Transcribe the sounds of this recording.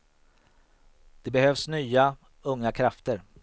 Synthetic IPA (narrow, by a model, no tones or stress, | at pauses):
d̪̥ɛbɛhøːvsnyːa | ɵŋːakʰɾaft̪əɾ